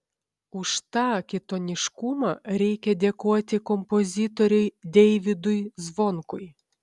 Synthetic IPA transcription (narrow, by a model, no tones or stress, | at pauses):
ʊʃt̪ɑːkʲɪt̪ɔnʲɪʃkʊmɑːɾʲɛɪkʲɛd̪ʲeːkuɔt̪ʲɪkɔmpɔzʲɪt̪ɔɾʲʊɪd̪ʲɛɪʋʲɪd̪ʊjzʋɔŋkʊj